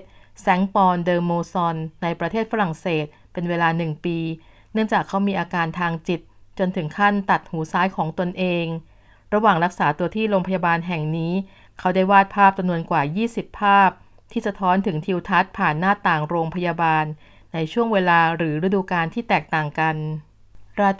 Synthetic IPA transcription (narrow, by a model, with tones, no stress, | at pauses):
sɛ˦˥ŋpɔː˧ndɤː˧mːoː˧sɔ˧nːa˧jpɾa˧t̪ʰeː˥˩t̪̚fa˦ɾa˨˩ŋseː˨˩t̪̚ | pe˧nweː˧laː˧nɯ˨˩ŋpiː˧ | nɯ˥˩əŋt͡ɕaː˨˩kʰːa˦˥wmiː˧ʔaː˧kaː˧nt̪ʰaː˧ŋt͡ɕi˨˩t̪̚t͡ɕo˧nt̪ʰɯ˩˦ŋkʰa˥˩nt̪a˨˩t̪̚huː˩˦saː˦˥jkʰɔː˩˦ŋt̪o˧nʔeː˧ŋ | ɾa˧waː˨˩ŋɾa˦˥k̚saː˩˦t̪u˧ɐt̪ʰiː˥˩ɾoː˧ŋpʰa˧ja˧baː˧nɦɛ˨˩ŋniː˦˥ | kʰa˦˥wdaː˥˩jwaː˥˩t̪̚pʰaː˥˩p̚t͡ɕa˧mnu˧ənkwaː˨˩jiː˥˩si˨˩pʰːaː˥˩p̚ | t̪ʰiː˥˩sa˧t̪ʰɔː˦˥nt̪ʰɯ˩˦ŋt̪ʰi˧wt̪ʰa˦˥t̪̚pʰaː˨˩nːaː˥˩t̪ːaː˨˩ŋɾoː˧ŋpʰa˧jaː˧baː˧nː | a˧jt͡ɕʰu˥˩əŋweː˧laː˧ɾɯː˩˦ɾa˧duː˧kaː˧nt̪ʰiː˥˩t̪ɛː˨˩k̚t̪aː˨˩ŋka˧n | ɾaː˧